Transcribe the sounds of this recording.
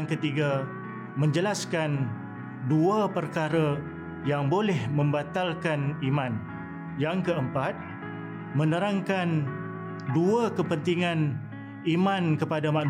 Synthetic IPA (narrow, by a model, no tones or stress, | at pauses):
ŋkət̪iɡa | mə̃ɲd͡ʒəlaskan | duapərkaɾa | jaŋbolɛhmə̃mbat̪alkanimãn | jaŋkəəmpat̪̚ | mə̃nəɾaŋkan | duakəpənt̪iŋãn | imãnkəpadamãʔ